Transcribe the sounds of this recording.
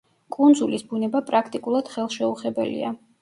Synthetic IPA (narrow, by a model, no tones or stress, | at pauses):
kʼund̪zulisbunɛbapʼɾakʰt̪ʼikʼulˠad̪̥χɛlˠʃɛuχɛbɛlḭa̰